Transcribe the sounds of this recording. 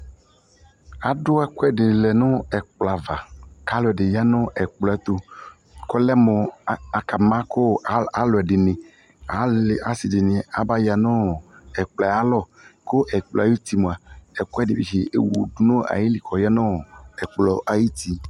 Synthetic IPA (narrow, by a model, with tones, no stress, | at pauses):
a˨ɖʊ˦ɛ˦kwɛ˦ɖe˨lɛ˨nɔ̃˦ɛ˨k͡pla˨va˨ka˨˦lɔ˨ɛ˨ɖɪ˨ja˦nɔ̃˦ɛ˨k͡plɔ˨ɛ˦t̪o˦ | kɔ˦lɛ˦mɔ̃˨˦a˨ka˨mã˦ko˦˨˦a˨lɔ˨ɛ˨ɖɪ˨nẽ˨ | a˨a˨˦si˨de˨nĩ˨a˨ba˦ja˨nɔ̃˦ɛ˨k͡pla˨˦a˦lɔ˦˨ | ko˦ʔɛ˨k͡pla˨ji˦t̪i˨mõ˨a˨ɛ˨kɔ˦ɛ˦de˨bi˨ʃi˨ʔḛ˦wṵ˨du˦nɔ̃˦a̰˨ji˦li˨kʰɔ˨ja˦nɔ̃˦˨ɛ˨k͡plɔ˨ʔa˨ji˦t̪i˦